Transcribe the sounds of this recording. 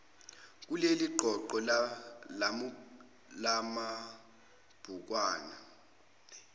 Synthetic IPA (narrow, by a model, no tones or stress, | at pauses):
k̬uleliɡ͡ǃʱɔǃɔ | la | lama | b̥ʱuk̬waːna